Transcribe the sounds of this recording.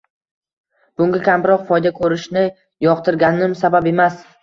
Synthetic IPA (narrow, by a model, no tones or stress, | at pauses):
b̥ʊŋɡʲakʲʰambɪɾɒqfɒjd̪akʰɵɾɪʃnɪ | jɒqt̪ʰɪɾɡʲanɪmsabape̞mas